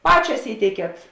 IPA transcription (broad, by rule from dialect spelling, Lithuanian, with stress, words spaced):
ˈpɑːt͡ʃʲɛs ˈiːtʲɛɪkʲiɛt